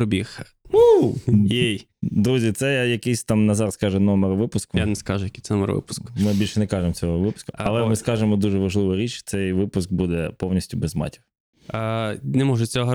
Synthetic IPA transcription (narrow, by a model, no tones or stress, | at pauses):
ɔbʲix | ujej | d̪ɾuzʲit̪sɛjjɐkɪjsʲt̪ɑmnɐzɑɾɐskɑʒɛnɔmɛɾɔʋɪpʊskʊjanɛskɑʒʊjɐkisʲɛnɔmɛ̰ɾ̰ʋɪ̰pʊ̥skʊ̥mɪbʲilʲʃɛnɛkɑʒemt͡sʲɔɦɔʋɪpʊ̥skʊɐlˠɛmɪskɑʒemɔd̪uʒɛʋɐʒlˠɪʋɪɾʲit͡ʃt̪sɛjʋɪpʊsk̚bud̪ɛpɔwnʲisʲtʲʊbɛzmɑ̰tʲiw | nɛmɔʒʊt͡sʲɔɦɔ